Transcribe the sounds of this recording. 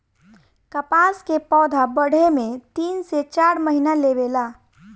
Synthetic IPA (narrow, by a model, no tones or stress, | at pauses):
kəpaskepɔːd̪ʱabəɽ̤emẽt̪iːnset͡ʃaɾməɦinalebela